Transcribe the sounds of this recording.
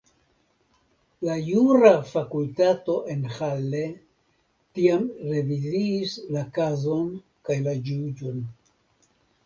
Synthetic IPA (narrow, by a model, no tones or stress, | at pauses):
lajuɾafakultato̞ʔe̞nhalːe̞ | tiamɾe̞viziːslakazo̞n | kajlad͡ʒud͡ʒo̞n